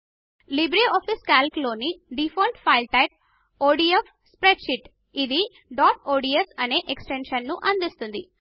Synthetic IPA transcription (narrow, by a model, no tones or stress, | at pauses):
libɾeɔːpʰiskaːlklo̞ːniɖipʰoːlʈpʰɐjlʈɐjp̚ | oːɖiep | spɾeɖʃiʈ | id̪i | ɖaːʈoːɖiesɐne̞ːʔeksʈenʃɐnːuʔɐnd̪ist̪und̪i